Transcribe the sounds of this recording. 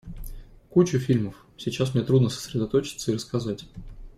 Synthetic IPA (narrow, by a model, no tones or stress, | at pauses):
kut͡ɕʊfʲilʲməf | sʲɪt͡ɕasmnʲe̞t̪ɾud̪nəsə̥sɾʲɪd̪ɐt̪ot͡ɕɪ̥t̪səiɾəskɐzatʲ